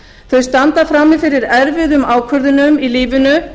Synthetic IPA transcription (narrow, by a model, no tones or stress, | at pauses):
θœɥst̪ant̪afɾaːmːɪfɪɾɪɾɛɾvɪðʏmaːwkʰvœɾðʏnʏmiliːvɪnʏ